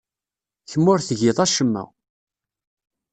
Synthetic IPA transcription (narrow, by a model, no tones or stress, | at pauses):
çəmːʊɾθəʝɪðˤæʃəmːæ̰